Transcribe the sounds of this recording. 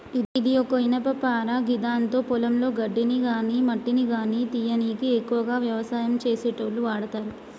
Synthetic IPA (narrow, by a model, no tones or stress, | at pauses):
id̪ijokɐinɐpɐpaːɾaːɡid̪aːnt̪o̞ːpɔlɐmlo̞ːɡɐɖːiniɡaːnimɐʈːiniɡaːnit̪ijɐniːkiekːuʋɐɡaːʋjɐʋɐsaːjɐmt͡ʃe̞ːsɛːʈɐluʋaːɽɐt̪aːɾu